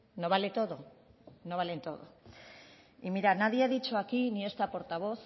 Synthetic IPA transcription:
no̞βalet̪o̞ðo̞no̞β̞alent̪o̞ðo̰ | imiɾanaðiaðit͡ʃoakinie̞st̪apo̞ɾt̪aβ̞o̞θ

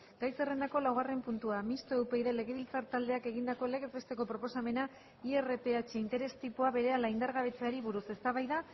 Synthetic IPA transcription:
ɡ̥ajse̞re̞nd̪ako̞lawɣare̞mpunt̪uamist̪oewpe̞iðe̞le̞ɣ̞e̞βilt͡saɾt̪ald̪e̞ake̞ɣ̞ind̪ako̞le̞ɣezβest̪e̞ko̞pɾo̞po̞same̞na | iere̞pe̞at͡ʃeint̪e̞ɾe̞st̪ipuaβe̞ɾe̞alaind̪aɾɣaβ̞e̞t͡saɾiβuɾuse̞st̪aβajða

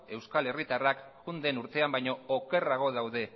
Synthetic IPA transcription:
e̞wskale̞rit̪arakʝund̪enuɾt̪e̞ambajɲo̞ːkeraɣ̞o̞ð̞awðe̞

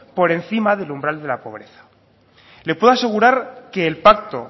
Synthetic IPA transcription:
po̞ɾe̞nθimaðe̞lumbɾald̪e̞lapo̞β̞ɾe̞θḁ | lepwe̞ðoase̞ɣ̞uɾaɾke̞ːlpak̚t̪o̞

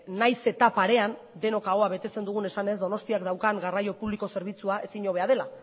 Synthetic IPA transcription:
najse̞t̪apaɾe̞and̪e̞no̞kaɣo̞aβe̞t̪e̞t͡se̞nd̪uɣ̞une̞sane̞zd̪o̞no̞st̪iakd̪awkaŋɡarajo̞puβliko̞se̞ɾβ̞it͡suae̞siɲo̞β̞e̞að̞e̞la

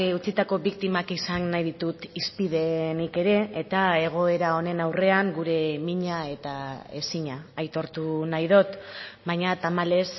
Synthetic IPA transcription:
ut͡sit̪ako̞βik̚t̪imakisanːajðit̪ut̪ispiðe̞nike̞ɾe̞ːt̪ae̞ɣ̞o̞e̞ɾao̞ne̞nawre̞aŋɡuɾe̞miɲae̞t̪ae̞̰siɲaːjt̪o̞ɾt̪unajðo̞t̪bajɲat̪amale̞s

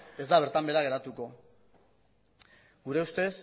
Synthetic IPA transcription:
e̞zd̪aβ̞e̞ɾt̪ambe̞ɾaɣ̞e̞ɾat̪uko̞ | ɡuɾe̞ust̪e̞s

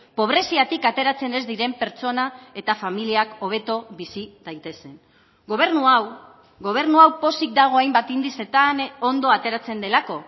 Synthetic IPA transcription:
po̞β̞ɾe̞siat̪ikat̪e̞ɾat͡se̞ne̞zd̪iɾe̞mpe̞ɾt͡so̞nae̞t̪afamiliako̞β̞e̞t̪o̞βisid̪ajt̪e̞se̞n | ɡoβeɾnuaw | ɣo̞β̞e̞ɾnuawpo̞sik̚d̪aɣ̞o̞ajmbat̪ind̪ise̞t̪ano̞nd̪o̞at̪e̞ɾat͡se̞nd̪e̞lako̞

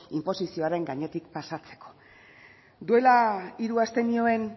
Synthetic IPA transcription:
impo̞sisio̞aɾe̞ŋɡaɲe̞t̪ikpasat͡se̞̥ko̞̥ | d̪ue̞laiɾuast̪e̞nio̞e̞n

